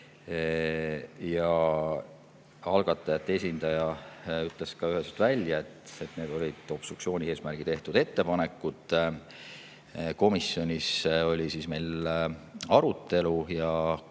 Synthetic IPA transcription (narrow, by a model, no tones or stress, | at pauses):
jɑ | ɑlɡ̥ɑt̪ːˑɑjɑt̪ːee̞s̬ʲind̪ɑjɑyt̪ˑleskɑyɦesylt̪vælʲjɑe̞t̪ːet̪ˑne̞d̪o̞lʲid̪̥o̞bst̪uksio̞ːnʲie̞ːsmærɡ̥it̪e̞ht̪ud̪e̞t̪ːe̞pɑne̞kːˑut̪ˑ | ko̞misːjo̞nʲiso̞lʲisiːsme̞jl | ɑɾut̪ːˑe̞lujɑ